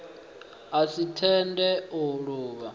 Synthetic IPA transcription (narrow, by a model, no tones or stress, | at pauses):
asitʰɛndɛuɺuːβa